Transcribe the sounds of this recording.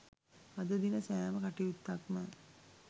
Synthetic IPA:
ad̪əd̪inəsæːməkaʈiut̪ːakmə

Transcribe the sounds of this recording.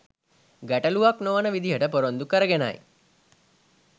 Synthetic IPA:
ɡæʈəluʋaknoʋənəʋid̪iɦəʈəpoɾond̪ukəɾəɡena̰j

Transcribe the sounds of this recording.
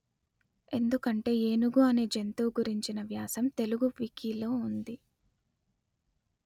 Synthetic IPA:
e̞nd̪ukɐɳʈe̞ːeːnuɡuɐne̞ːd͡ʒent̪o̞ːɡuɾiɲt͡ʃinɐʋjaːsɐmt̪e̞luɡuʋikiːlo̞ːund̪i

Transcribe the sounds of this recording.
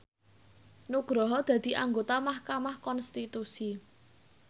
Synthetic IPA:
nuɡ̥ɾɔɦɔd̪̥ä̤d̪̥i̤ʔaŋɡot̪amahkamahkɔnst̪it̪usi

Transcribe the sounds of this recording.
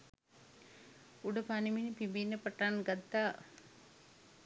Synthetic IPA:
uɖəpaniminipibinːəpəʈanɡat̪ːaː

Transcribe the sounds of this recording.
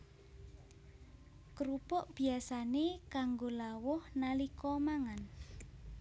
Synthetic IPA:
kəɾupʊʔb̥i̤asanekaŋɡolawʊhnalikɔmaŋan

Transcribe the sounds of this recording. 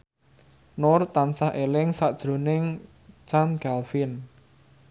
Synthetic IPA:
nʊrt̪ansahʔelɪŋsaʔd̥ʒ̥ɾo̤nɪŋ | t͡ʃanɡ̥alfin

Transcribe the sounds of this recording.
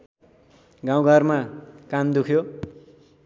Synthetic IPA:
ɡaw̃ɡʱʌrmakand̪ukʰjo

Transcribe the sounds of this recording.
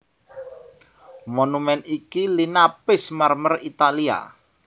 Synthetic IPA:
monumɛnikilinapɪsmarmərit̪alia̰

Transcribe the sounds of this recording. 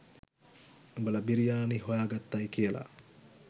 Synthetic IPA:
ebəlɐbiɾijaːniɦojaːɡat̪ːajkijəla̰

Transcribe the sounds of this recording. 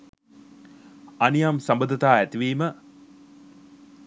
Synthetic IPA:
anijamsambəd̪ət̪aːæt̪iʋiːmə

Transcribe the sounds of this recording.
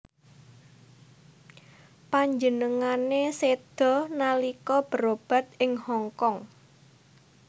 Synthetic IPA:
paɲd͡ʒənəŋanesed̪̥ɔ̤nalikɔb̥ə̤ɾob̥a̤t̪̚ɪŋhɔŋkɔŋ

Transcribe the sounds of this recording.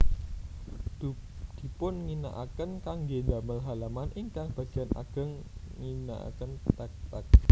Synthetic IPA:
d̪̥i̤pʊnŋina̰ʔakənkaŋɡedaməlɦalamanʔɪŋkaŋb̥aɡ̥i̤anʔa̰ɡ̥ə̤ŋːina̰ʔa̰kənt̪ak̚t̪ak̚

